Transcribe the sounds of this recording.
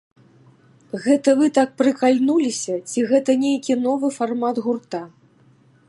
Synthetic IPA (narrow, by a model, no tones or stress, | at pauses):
ɣɛt̪ɐvɨt̪ak̚pɾɨkalʲnulʲisʲɐt͡sʲiɣɛt̪ɐnʲejkʲinɔvɨfarmad̪ɣurt̪a